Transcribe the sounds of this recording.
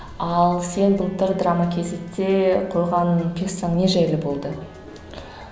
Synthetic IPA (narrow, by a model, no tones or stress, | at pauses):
ɑlˠse̞nbəlˠt̪əɾd̪ramakʲʰe̞zɪt̪ːe̞qʰo̞jʁɑnkʲʰe̞ssɑɴne̞ʒæjlɪbo̞lˠd̪ə